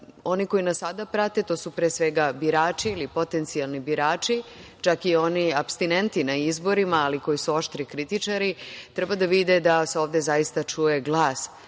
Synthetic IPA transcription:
o̞niko̞inasad̪apɾat̪e̞t̪o̞ːsupɾeːsʋe̞ɡabiɾaːt͡ʃiilipo̞t̪e̞nt̪sialˠnibiɾaːt͡ʃit͡ʃakio̞niapst̪ine̞nt̪inaizbo̞ɾimaːliko̞isuo̞ʃt̪ɾikɾit̪it͡ʃaɾit̪ɾebad̪aʋid̪ed̪aseo̞ːʋd̪e̞zaist̪at͡ʃuje̞ɡlˠaːs

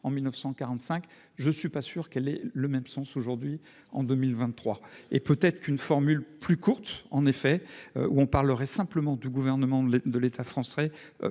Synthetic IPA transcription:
ɑ̃milnəfsɑ̃kaʁɑ̃t̪sɛ̃k | ʒəsɥipasyʁkɛlɛləmɛmsɑ̃soʒuʁd̪ɥi | ɑ̃d̪ømilvɛ̃t̪ːχwaḛpøt̪ɛt̪χə̥kynfɔʁmylplykuʁt̪ɑ̃nefɛø̰ʔuɔ̃paʁləʁɛsɛ̃pləmɑ̃d̪yɡuvɛʁnəmɑ̃d̪əlet̪ʰafχɑ̃sɛ̰

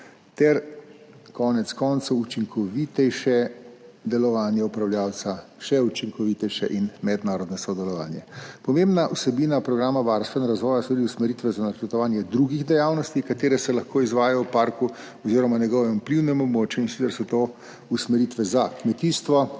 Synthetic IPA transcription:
t̪ɛɾ | kɔːnɛt̪skɔnt̪sowːt͡ʃiŋkʰɔʋit̪ɛjʃɛd̪ɛlɔʋaːnjɛupɾawljaːwt̪saʃɛut͡ʃiŋkɔʋit̪ɛjʃɛʔinmɛd̪naːɾɔd̪nɔsɔd̪ɛlɔʋa̰ːnjɛpɔmembnaʔusɛbiːnapɾɔɡɾaːmaʋaɾst̪ʋɛnɾazʋɔːjasɔbid̪iusmɛɾiːt̪ʋɛzanat͡ʃɛɾt̪ɔʋaːnjɛd̪ɾuɡiɣd̪ɛjaːwnɔst̪ikat̪eːɾɛsɛlɐxkʰoːizʋaːjajɔwpaːɾku | ɔziːɾɔmanjɛɡɔːʋɛupliwnɛmɔbmoːt͡ʃjuinsit̪t͡s̪ɛɾsɔt̪oː | usmɛɾit̪ʋɛzakmɛt̪iːst̪ʋɔ

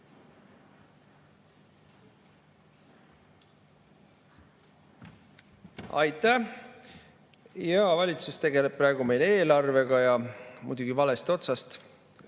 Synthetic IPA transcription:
ɑ̰jt̪ˑæ | jɑvɑlʲit̪sust̪e̞ɡe̞lep̚pːrɑeɡ̥ume̞jle̞ːlɑrve̞ɡ̥ɑjɑmṵjd̪uɡ̥ivɑle̞st̪o̞t̪sɑst̪

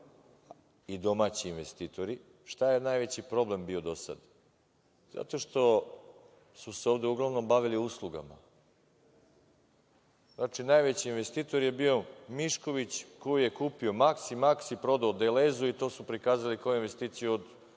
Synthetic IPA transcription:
id̪o̞maːt͡ɕiːnʋest̪it̪o̞ɾi | ʃt̪aje̞najʋe̞t͡ɕipɾo̞ble̞mbio̞d̪o̞sa̰d̪ | za̰t̪o̞ʃt̪o̞ | suseo̞ːʋd̪e̞uɡlˠaʋno̞mbaʋiliuslˠuɡa̰ma̰ | znat͡ʂinajʋe̞t͡ɕiːnʋe̞st̪iːt̪o̞ɾje̞bio̞miʃko̞ʋit͡ɕkojuje̞kuːpio̞maksimaksipɾo̞d̪aod̪elezuit̪o̞supɾikaːzalikojuinʋe̞st̪iːt̪sijuod̪

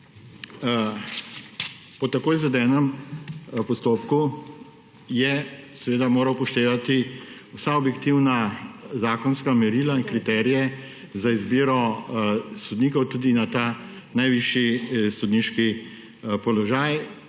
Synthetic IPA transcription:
pɔt̪ɐkoːjzɛd̪ɛːnɛm | pɔst̪oːpku | jɛsɛʋeːd̪amoːɾɐwpɔʃt̪eːʋat̪iusaɔbjɛkt̪iwnazaːkɔnskamɛɾilaiŋkɾit̪ɛːɾijɛ | zaizbiːɾɔ | sɔd̪niːkɔwt̪uːd̪inat̪aː | najʋiʃisɔd̪niʃki | pɔlɔʒaːj

